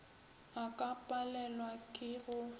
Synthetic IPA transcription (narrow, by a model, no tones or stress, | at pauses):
akʼapʼalɛlwakʼɪɣʊ